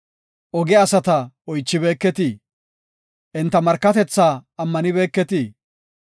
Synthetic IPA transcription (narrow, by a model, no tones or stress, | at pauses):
ʔɔɡɛɐsɐt̪ɐɔjt͡ʃːɪbe̞ːkːɛt̪i | ʔɪnt̪ːɐmɐɾkːɐt̪ɛt͡sːaːɐmːɐnɪbe̞ːkːɛt̪i